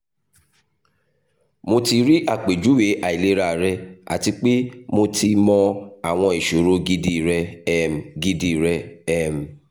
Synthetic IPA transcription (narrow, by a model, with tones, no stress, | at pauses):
mo˧ti˧ɾi˦ʔa˦˨k͡pe˨d͡ʒu˨˦we˨˦ʔa˨i˨le˦ɾa˦˨ɾɛ˧a̰˨ti˧k͡pe˦mo˧ti˧mɔ̃˧a˨w̃ɔ̃˧e˨ʃo˨˦ɾo˧˦ɡi˦di˧˨ɾɛ˧ɛ˦m˨ɡi˧di˧˨ɾɛ˧ɛ˦˨m̩˨